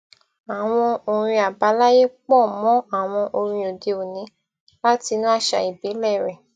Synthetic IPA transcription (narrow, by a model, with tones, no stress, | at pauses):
a˨w̃ɔ̃˧o˨ɾ̃ĩ˧a˨ba˨˦la˦je˦k͡pɔ˦˨mɔ̃˨˦a˦˨w̃ɔ̃˧ʔo˧ɾ̃ĩ˧o˨de˧o˨nĩ˨˦ | la˦ti˧nũ˦a˦˨ʃa̰˧i˨bi˨˦lɛ˦˨ɾɛ˨